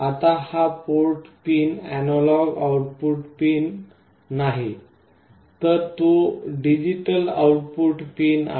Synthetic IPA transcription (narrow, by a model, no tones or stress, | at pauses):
at̪ahapoɾʈpiːnænɔlɔɡauʈ̚puʈpinː | aɦi | t̪əɾt̪uɖid͡ʑiʈəla̰uʈ̚puʈpina̰